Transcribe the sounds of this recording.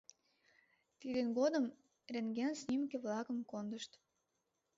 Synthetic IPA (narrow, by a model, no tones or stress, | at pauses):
t̪id̪enɡod̪əm | rʲeŋɡʲensnʲimkeβlɑkəmkond̪əʃt̪